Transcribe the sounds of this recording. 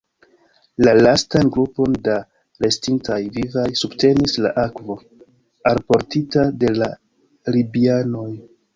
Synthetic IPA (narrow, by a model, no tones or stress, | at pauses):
lalastanɡɾupo̞nda | ɾe̞stintajvivajsubte̞nisla̰ʔakvo̞ | aɾpo̞ɾtitade̞la | libiano̞j